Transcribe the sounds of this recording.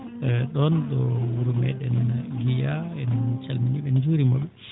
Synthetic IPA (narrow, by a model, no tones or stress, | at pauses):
ɗɔnɗɔwuɾumɛ̰ɗɛnɡijaɛnɛnt͡ʃalminiɓɛnd͡ʒuɾimɔɓɛ